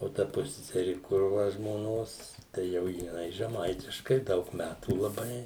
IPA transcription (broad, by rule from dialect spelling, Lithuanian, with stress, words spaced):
oː ˈtɐ ˈpʊsʲsʲɛsʲɛrʲɪ ˈkʊr ˈʋɐ ʒmoːˈnoːs tɐɪ ˈjɛʊ jɪˈnɐɪ ʒʲɛˈmɐɪtʲɪʃkɐɪ ˈdɐʊk ˈmʲætuː lˠɐˈbɐɪ